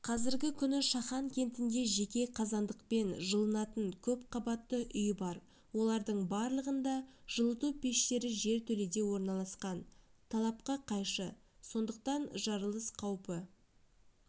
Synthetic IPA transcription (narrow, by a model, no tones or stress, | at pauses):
qʰɑzɪɾɡʲɪkʲʰʏnɪʃɑχɑŋkʲʰe̞nt̪ɪnd̪e̞ʒe̞kʲe̞qʰɑzɑnd̪əq̚pe̞nʒəlˠənɑt̪əɴkʲʰɵp̚qʰɑbɑt̪ːəʔʏjbɑɾ | wo̞lˠɑɾd̪əɴbɑɾlˠəʁənd̪ɑʒ̥əlˠət̪upʰe̞ʃt̪e̞ɾɪʒe̞ɾt̪ʰɵle̞d̪e̞wo̞ɾnɑlˠɑsqɑnt̪ʰɑlˠɑp̚qɑqʰɑjʃə | so̞nd̪əq̚t̪ɑnʒɑɾəlˠəsqʰɑwpə